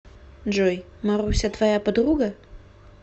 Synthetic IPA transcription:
d͡ʒoj | marusʲat̪vajapɨd̪ruɡa

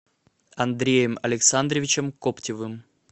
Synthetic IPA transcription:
ɐnd̪ɾʲejəmɐlʲɪksand̪ɾəvʲɪt͡ɕɪmkoptʲɪvɨm

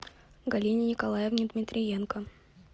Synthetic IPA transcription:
ɡɐlʲinʲɪnʲɪkɐlˠajɪvnʲɪd̪mʲɪt̪ʲɾʲɪjenkə

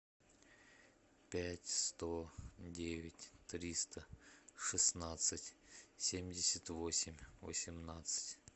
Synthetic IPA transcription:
pʲætʲst̪odʲevʲɪtʲt̪ɾʲist̪əʂɨsnat̪sɨtʲsʲemʲdʲɪsʲət̪vosʲɪmʲvə̰sʲɪmnat̪sɨ̥tʲ

